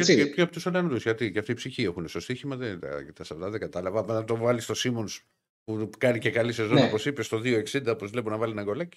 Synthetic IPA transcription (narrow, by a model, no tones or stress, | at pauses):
ɐsepçoɐpot̪usolɐnd̪usʝɐt̪iceɐft̪iːpsiçiexuneso̞st̪içimɐðend̪ɐ̰cit̪ɐsɐft̪ɐðeɡɐt̪ɐlɐvɐɐɐt̪o̞vɐlist̪o̞simo̞ns | pukɐnice̞kɐlisezoopo̞sipe̞st̪o̞ðio̞e̞ksind̪ɐopo̞zvle̞ponɐvɐlinɐŋɡo̞lɐci̥